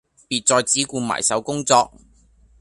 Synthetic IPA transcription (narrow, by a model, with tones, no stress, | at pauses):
piː˨t̚t͡sɔː˧jt͡siː˨˥kuː˧ma̰ː˨˩jsɐ˨˥wkʊ˥ŋt͡sɔː˧k̚